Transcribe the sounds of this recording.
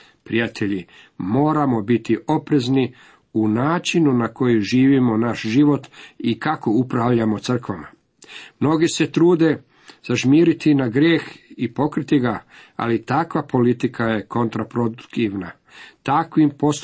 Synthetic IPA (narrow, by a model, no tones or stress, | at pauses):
pɾijat̪ʰe̞ʎi | mo̞ːɾamo̞bit̪iʔo̞pɾe̞zni | unaːt͡ʃinunako̞juʒiːʋimo̞naʃʒiʋo̞t̪ikako̞upɾaʋʎamo̞t̪sr̩kʋama̰ | mno̞ɡise̞t̪ɾuːd̪e̞ | z̥aʒmiːɾit̪inaɡɾjeːxipo̞kɾit̪iɡaa̰lit̪akʋapo̞lit̪ikʰaje̞ko̞nt̪ɾapɾod̪ut̪iʋna | t̪akʋimpo̞s